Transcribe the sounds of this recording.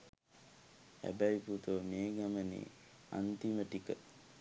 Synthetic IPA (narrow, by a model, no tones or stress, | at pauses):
hæ̰bæiput̪əʋəmeːɡamənḛː | a̰nt̪iməʈikə